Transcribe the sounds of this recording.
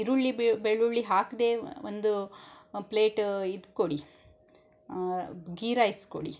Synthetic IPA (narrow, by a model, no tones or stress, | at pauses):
iɾuɭːibeɭːuɭːiɦaːkd̪eːond̪upleːʈid̪koɽi | ɡiːɾaːjskoɽḭ